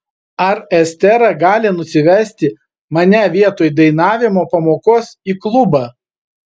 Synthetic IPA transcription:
ɐɾɛsʲt̪ʲɛɾɐɡɑːlʲɪnʊsʲɪʋʲæsʲt̪ʲɪ | mɐnʲɛʋʲiɛt̪oːjd̪ɐɪnɑːʋʲɪmoːpɐmoːkoːsiːklˠʊbɑː

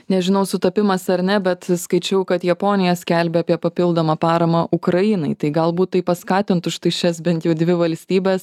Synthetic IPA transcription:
nʲɛʒʲɪnɐʊsʊt̪ɐpʲɪmɐsɐɾnʲɛbʲɛt̪skɐɪt͡ʃʲɛʊkɐt̪jɛpoːnʲɪjɛsʲkʲælʲbʲɛɑːpʲiɛpɐpʲɪlˠd̪ɐmɑpɑːɾɐmɑʔʊkɾɐjɪnɐɪt̪ɐɪɡɐlˠbuːt̪t̪ːɐɪpɐskɑːt̪ʲɪnt̪ʊʃt̪ɐɪʃʲɛs̬bʲɛnt̪jɛʊd̪ʲʋʲɪʋɐlʲsʲt̪ʲiːbʲɛːs

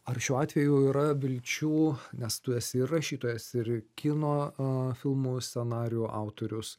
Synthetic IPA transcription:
ɐrʃʲuːɑːt̪ʲʋʲɛjuiːɾɐʋʲɪlʲt͡ʃʲuːnʲɛst̪ʊɛsʲɪɪrɐʃʲiːt̪oːjɛsɪrkʲɪnoːfʲɪlˠmuːsʲt̪ʲsʲɛnɑːɾʲɪjuʔɑʊt̪oːɾʲʊs

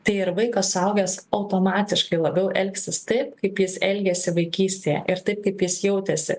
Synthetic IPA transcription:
t̪ɐɪɪɾʋɐɪkoːsɐʊɡʲɛsɐʊt̪oːmɑːt̪ʲɪʃkɐɪlˠɐbʲɛʊʔɛlʲksʲɪst̪ɐɪpkɐɪpjɪsɛlʲɡʲɛsʲɪʋɐɪkʲiːsʲt̪ʲejɛ̰ʔɪɾt̪ɐɪp̚kɐɪpjɪsjɛʊt̪ʲɛsʲɪ̰

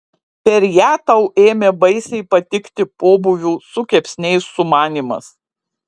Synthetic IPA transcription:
pʲɛɾjæːt̪ɐʊeːmʲeːbɐɪsʲɛɪpɐt̪ʲɪkt̪ʲɪpoːbʊʋʲuːsʊkʲɛpʲsʲnʲɛɪsːʊmɑːnʲiːmɐ̰s

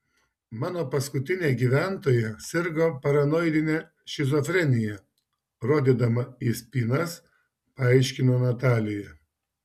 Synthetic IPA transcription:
mɑːnoːpɐskʊt̪ʲɪnʲeːɡʲiːʋʲæˑnt̪oːjɛsʲɪɾɡoːpɐɾɐnɔɪd̪ʲɪnʲe | ʃʲɪzɔfʲɾʲɛnʲɪjɛ | ɾoːd̪ʲiːd̪ɐmɐisʲpʲiːnɐs | pɐɐɪʃʲkʲɪnoːnɐt̪ɑːlʲɪjɛ

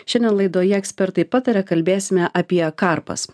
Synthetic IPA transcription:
ʃʲɛnʲd̪ʲɛnlˠɐɪd̪oːjɛɛksʲpʲɛɾt̪ɐɪpɑːt̪ɐɾʲɛkɐlʲbʲeːsʲɪmʲɛʔɐpʲiɛkɑɾpɐ̰s

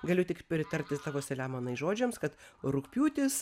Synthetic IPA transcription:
ɡɐlʲʊt̪ʲɪkpʲɾʲɪt̪ɐɾʲt̪ʲɪst̪ɑːʋoːsʲɛlʲæːmɐnɐɪʒoːd͡ʒʲɛmskɐt̪ɾʊkpʲuːt̪ʲɪs

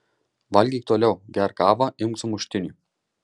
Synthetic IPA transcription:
ʋɐlʲɡʲiːk̚t̪oːlʲɛʊɡʲæɾkɑːʋɐʔɪmksʊmʊʃʲt̪ʲɪnʲuːˑ

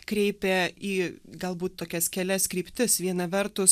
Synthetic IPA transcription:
kɾʲɛɪpʲɛiːɡɐlˠbuːt̪t̪oːkʲɛskʲɛlʲɛskɾʲiːpʲt̪ʲɪsʋʲiɛnɐʋʲɛɾt̪ʊs

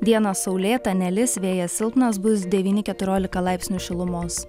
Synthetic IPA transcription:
d̪ʲiɛnɐssɒʊlʲeːt̪ɐnʲɛlʲɪsʋʲeːjɛsʲɪlˠpnɐsbʊsd̪ʲɛʋʲiːnʲɪkʲɛt̪ʊɾʲoːlʲɪkɐlˠɑɪpʲsʲnʲuʃʲɪlˠʊmoːs

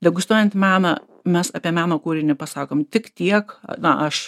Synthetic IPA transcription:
d̪ʲɛɡʊst̪uɔjɛnt̪mʲæːnɐ | mʲɛsɐpʲiɛmʲæːnoːkuːɾʲɪnʲɪpɐsɑːkoːmt̪ʲɪkt̪ʲiɛkɐ̰nɐʔɐʃ

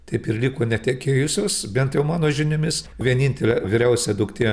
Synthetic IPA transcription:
t̪ɐɪpɪɾlʲiːkoːnʲɛt̪ʲɛkʲeːjʊsʲoːsbʲɛnt̪jɛʊmɑːnoːʒʲɪnʲʊmʲɪsʋʲiɛnʲiːnʲt̪ʲɛlʲɛʋʲɪɾʲɛʊsʲɛd̪ʊkt̪ʲɪ

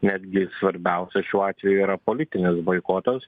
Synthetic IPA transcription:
nʲæd̪ʲɡʲɪsʋɐɾʲbʲæˑʊsʲɛʃʲuːɑːt̪ʲʋʲɛjuiːɾɐpolʲɪt̪ʲɪnʲɪsbɐɪkoːt̪ɐs

